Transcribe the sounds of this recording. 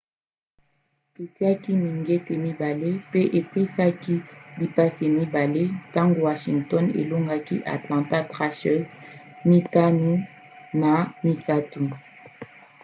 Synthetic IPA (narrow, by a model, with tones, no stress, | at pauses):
e˨ti˦a˦ki˦mi˨ŋɡe˦te˨mi˦ba˨le˦pe˦ʔe˨pe˦sa˦ki˦bi˨pa˦se˨mi˦ba˨le˦ta˦ŋɡo˦˨wa˨ʃi˨ŋtɔ˦nḛ˨lo˦ŋɡa˦ki˦ʔa̰˨tlɑ̃˨ta˦tʁa˦ʃɛ˦z | mi˦ta˦nu˦ | na˨mi˨sa˦tu˨